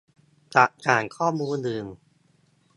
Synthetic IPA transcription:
t͡ɕa˨˩ʔkaː˨˩nkʰɔː˥˩muː˧ndɯː˧˩m

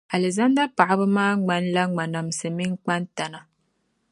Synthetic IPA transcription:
a˨lɨ˨za˦nda˦pa˨ʔa˦bɨ˦maː˦ŋ͡ma˦nla˦ŋ͡ma˨na˨m˨sɨ˨mi˦ŋ˦k͡pa˦nta˨na˨

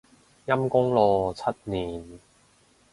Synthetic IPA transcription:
jɐ˥mkʊ˥ŋlɔː˨˧t͡sʰɐ˥t̚niː˨˩n

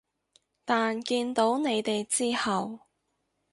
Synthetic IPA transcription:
t̪aː˨nkiː˧nt̪o˨˥wne˨˧jt̪e˨jt͡siː˥hɐ˨w

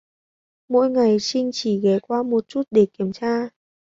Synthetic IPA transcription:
mo̰˧˥jŋa˨˩jsï˧ŋ̟t͡ɕi˧˩ɣɛ˨˦kwaː˧mo˨˩t̚t͡ɕu˦˥t̚ɗe˧˩ki˧˩əmt͡ɕaː˧

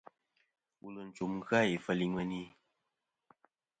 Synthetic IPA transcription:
wṵ˨lə˨n̩˨t͡ʃu˨mɣɰa˦i˨fə˦˨li˦ŋwə˦ni˦

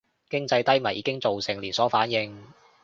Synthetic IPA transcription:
kɪ˥ŋt͡sɐ˧jt̪ɐ˥jmɐ˨˩jiː˨˧˥kɪ˥ŋt͡so˨wsɪ˨˩ŋliː˨˩nsɔː˨˥faː˨˥njɪ˧ŋ

